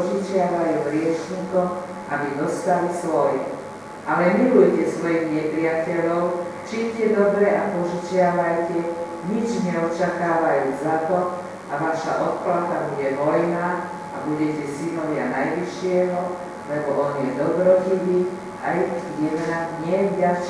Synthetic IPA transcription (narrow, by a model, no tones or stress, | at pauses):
ʒut͡ʃɪaʋajuːɦɾɪɛʃɲikɔm | abid̪ɔst̪alisʋɔjɛ | ʔalɛmilujcɛsʋɔjiɣɲɛpɾɪacɛʎɔʊt͡ʃicɛd̪ɔbɾɛʔapɔʒut͡ʃɪaʋajcɛ | ɲid͡ʒɲɛɔt͡ʃakaːʋajuːzat̪ɔ | aʋaʃa̰ʔɔt̪̚klat̪abuɟɛʋɔjnaː | abuɟɛcɛsinɔʋɪjanajʋiʃɪɛɦɔ | lɛbɔʔɔnjɛd̪ɔbɾɔciʋi | a̰jjɛmnaɲɪɛvɟaʃ